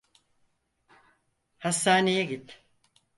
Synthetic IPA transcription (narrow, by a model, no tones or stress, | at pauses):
hasːaːnejɛɡit̪